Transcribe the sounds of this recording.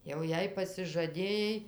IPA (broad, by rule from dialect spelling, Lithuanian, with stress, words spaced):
jɛʊ ˈjɛɪ pɐsʲɪʒɐˈdʲeːjɛɪ